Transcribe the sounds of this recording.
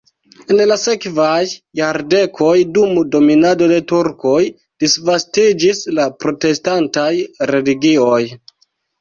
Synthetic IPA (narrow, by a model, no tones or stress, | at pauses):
enlase̞kvajːaɾde̞kʰo̞jdumdo̞minado̞de̞tuɾko̞j | d̥isvastid͡ʒislapɾo̞te̞stantajɾe̞liɡioj